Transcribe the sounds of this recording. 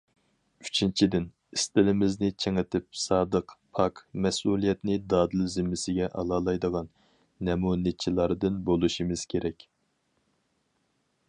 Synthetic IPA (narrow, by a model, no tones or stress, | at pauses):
yt͡ʃʰint͡ʃʰid̪ɪn | ist̪ɪlɪmɪznɪt͡ʃʰeŋɪt̪ʰɪp̚sɑːd̪əqpʰɑkmɛsulˠijɛt̪nɪd̪ɑːd̪ɨlzɪmːɪsɪɡʲɛʔɑ̰lˠɑːlˠɑjd̪əʁɑnː | ɛmunɪt͡ʃʰːilˠɑɾd̪ɨnbolˠuʃimɨz̥kʲʰeɾɛkʲ